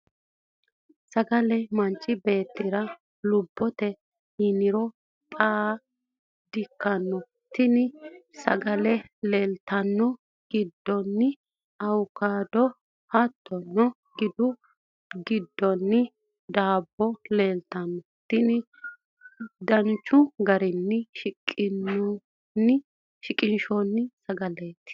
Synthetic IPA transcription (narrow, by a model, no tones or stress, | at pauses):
sɐɡɐlɛmɐnt͡ʃʼːɪbe̞ːt̪ːɪɾɐ | lʊbːɔt̪ɛ | hɪnɪɾɔ | t̪ʼaː | d̪ɪkːɐnːɔ | t̪ɪnɪsɐ̰ɡɐlɛleːlt̪ɐnːɔ | ɡ̥ɪd̪ːɔnːɪ | ɐwkaːd̪ɔ | hɐt̪ʰːɔnːɔ | ɡɪd̪ʊ | ɡɪd̪ːɔnːɪ | d̪aːbːɔleːlt̪ɐnːɔ | t̪ɪnɪ | d̪ɐnt͡ʃːʊɡɐɾɪnːɪʃɪkʼːɪnːɔ | nːɪ | ʃɪkʼɪnʃonːɪsɐɡɐlet̪ːɪ̥